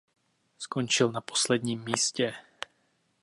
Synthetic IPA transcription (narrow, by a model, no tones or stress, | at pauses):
skont͡ʃɪlnapo̥slɛd̪ɲiːmːiːscɛ